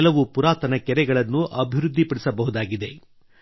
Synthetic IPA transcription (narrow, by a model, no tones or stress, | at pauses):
lɐʋupuɾaːt̪ɐnɐkɛɾɛɡɐɭɐnːuʔɐbʱiɾud̪ʱːipɐɽisɐbɐɦud̪aːɡid̪e̞